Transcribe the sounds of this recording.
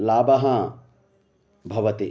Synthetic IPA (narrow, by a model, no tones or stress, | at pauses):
laːbɐɦɐ | bʱɐʋɐt̪i